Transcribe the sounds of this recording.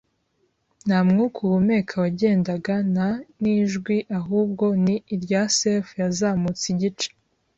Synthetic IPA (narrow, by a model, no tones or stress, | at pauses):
n̥hamŋukʰuβume̞kʰawaɟe̞ːndaɡananiːʒɡwiʔaɦuːb̚ɡo̞niːɾɟasefujazaːmut͡siɟit͡ʃe̥